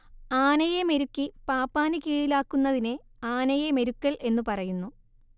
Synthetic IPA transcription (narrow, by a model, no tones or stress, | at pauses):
aːnɐjeme̞ɾukːipaːpːaːnɨkiːɻilaːkːunːɐðine | aːnɐjeme̞ɾukːɐɭʔe̞nːupɐrɐjunːu